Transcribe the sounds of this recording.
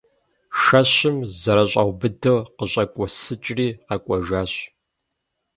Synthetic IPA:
ʃɐɕɪmzɐɾɐɕʼɐwbɨdɨqəɕʼɐkʷʼɔsɨt͡ʃʼriːqɐkʷʼɔʒaːɕ

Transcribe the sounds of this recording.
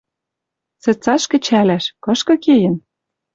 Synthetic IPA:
t͡sĕt͡sɑʃkɘ̆t͡ɕælæʃkɤ̆ʃkɤ̆kejə̆n

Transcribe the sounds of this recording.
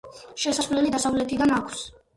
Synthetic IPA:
ʃɛsasvlɛlid̪asavlɛt̪ʰid̪anakʰs

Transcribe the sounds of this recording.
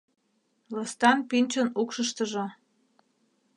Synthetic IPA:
ləst̪ɑnpinʲt͡ɕənukʃəʃt̪əʒo

